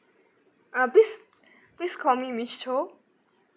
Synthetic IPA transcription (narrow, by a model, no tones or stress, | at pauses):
pis | piskʰɔmimit͡ʃʰt͡ʃʰo